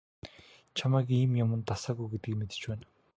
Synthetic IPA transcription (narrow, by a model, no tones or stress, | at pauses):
t͡ɕʰamæːkiːmjamə̆nt̪asaːɣujɡet̪ɡiːkmet̪ɘ̥̆t͡ɕpæːn